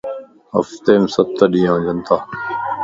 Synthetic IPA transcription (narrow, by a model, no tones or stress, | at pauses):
ə̰ft̪eːmsət̪ːəɗiːãːd͡ʒənt̪aː